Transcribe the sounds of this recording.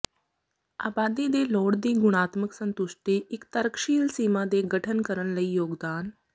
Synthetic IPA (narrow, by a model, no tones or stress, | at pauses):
aːbaːd̪id̪eːloːɽd̪iːɡʊɽ̃aːt̪məksə̃nt̪ʊʃʈiːʔɪkt̪əɾəkʃiːlsiːmãːd̪eːɡəʈʰənkəɾənləiːjoːɡd̪aːn